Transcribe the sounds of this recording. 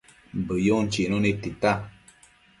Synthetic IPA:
bəjon̩t͡ʃinonitita

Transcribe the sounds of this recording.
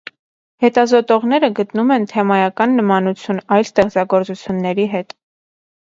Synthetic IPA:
hɛt̪ɑzɔt̪ɔʁn̪ɛɾəɡət̪numɛnt̪ʰɛmɑjɑkɑnːəmɑnut͡sʰjunɑjlst̪ɛχt͡sɑɡɔɾt͡sut͡sʰjunːɛɾiɦɛt̪

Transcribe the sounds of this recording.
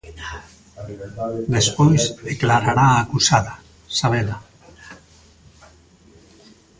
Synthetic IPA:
d̪espojsdeklaɾaɾaːkusaða | saβ̞ela

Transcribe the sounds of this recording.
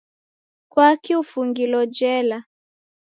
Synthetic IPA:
kwakiufuŋɡilɔd͡ʒɛla

